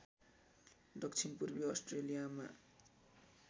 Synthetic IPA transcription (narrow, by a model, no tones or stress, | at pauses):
ɖʌkt͡sʰinpurbiʌsʈrelijama̰